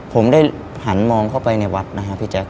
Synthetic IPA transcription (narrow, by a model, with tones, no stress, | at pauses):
pʰo˩˦mdaː˥˩j | ha˩˦nmɔː˧ŋkʰa˥˩wpa˧jna˧jwa˦˥t̪̚na˦˥kʰa˦˥pʰi˦˥t͡ɕɛː˦˥k̚